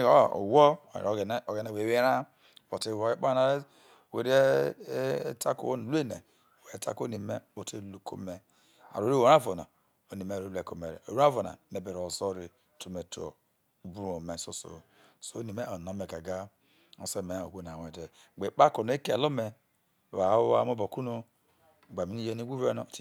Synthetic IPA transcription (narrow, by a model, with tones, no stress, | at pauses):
o̰˨wo̰˦˨ɾo˨ɡe˨ne˨we˨e˦ɾa˦ | po˨te˦˨we˦k͡pa˦na˦ | we˨ɾi˦e˦ | ta˦ko̰˦n˨lu˦e˦nḛ˨ | we˨˦tʰa̰˦ko˦ni˨me˦o˨te˦lu˨kʰo̰˦me˨ | a̰˨ɾo˨ɾi˦wo˨ɾa˦vo˨na̰˨ | o˨ni˨me˦˨o˨lu˦e˨ko˨me˨ɾḛ˨o̰˨ɾu˦a˦vo˨na̰˨ne˨be˨ɾo˨zo˦ɾi˨ | to˨˦me˨tu˦o̰˨ | u˨bu˦ɾo˨me˨so˦so̰˨ | so˦ni˨me˦o˨no˨me˨ka˨ɡa˦ | o̰˨so˦˨me˨o˨ɡʷo˦n˨a˨we˨de˨ | ɡ͡be˨k͡pa˦ko˨n˦e˦ke˦˨a̰˨lo˦me˨ | βa˨˦wo˦a̰˦mo˦bo˨ku˦no˦˨ | ɡ͡ba˨mi˨˦ni˦je˦ni˦ɡʷu˦ve˦no˨t